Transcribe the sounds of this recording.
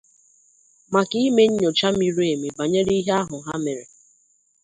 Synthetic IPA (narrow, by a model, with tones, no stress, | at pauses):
ma˨ki˦me˦ɲ̩˦ɲo˨t͡ʃa˦mi˨ɾu˦e˨mi˨ba˨ɲe˦ɾi˦ɦe˦a˦ɦʊ˨ɦa˦me˨ɾe˨